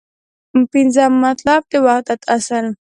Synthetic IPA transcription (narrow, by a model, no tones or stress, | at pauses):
mpinzamːat̪lab̚t̪ewaqt̪at̪asanu